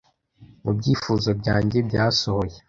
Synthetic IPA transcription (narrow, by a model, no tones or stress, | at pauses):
mubɟiːfuːzo̞bɟaːɲɟebɟaːso̞ho̞je